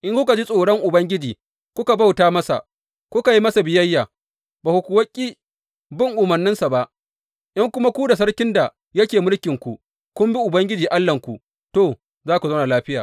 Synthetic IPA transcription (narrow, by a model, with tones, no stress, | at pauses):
ʔɪ˦ŋkʷʊ˦ka˨d͡ʒi˦sʼoː˨ɽɐ˦ŋʔʊ˨bɐ˦ŋɡʲɪ˦d͡ʒiː˨ | kʷʊ˦ka˨ba˦wtaː˦mɐ˦sa̰˨ʔ | kʷʊ˦ka˨ji˦mɐ˦sa˨bɪ˨jɐ˦jːaː˨ | baː˨hu˨kʷu˨wɐ˦kʲʼːiː˦ | bɪ˦ŋʔʊ˨mɐ˨rnːɪ˦nsa˨ba˦ʔ | ʔɪ˦ŋkʷʊ˦ma˦kʷu˦da˨s̬ɐ˦ɽkʲɪ˦nda˨ | jɐ˦kʲeː˨mʊ˦lkʲɪ˨ŋkʷu˨ʔ | kʷʊ˦mbi˦ʔʊ˨bɐ˦ŋɡʲɪ˦d͡ʒiː˨ʔa˦lːɐ˨ŋkʷu˨ | toː˦˨ | zaː˦kʷu˨za˦wna˨laː˦ɸɪ˦jaː˨